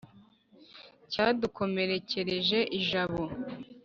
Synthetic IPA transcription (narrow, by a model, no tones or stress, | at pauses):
caːduko̞me̞ɾe̞ce̞ɾe̞ʒe̞ʔiʒaβo̞